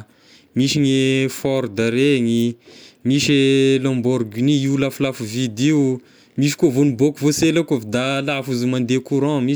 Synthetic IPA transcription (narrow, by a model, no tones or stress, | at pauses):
miʃiɲefɔɾd̪aɾeŋimiʃelɔ̃mbɔɾɡiniiulaflafvid̪iu | miʃ̬i̥kuavonibokuvoselakavid̪alafuzumãnd̪ekuɾɔ̃mi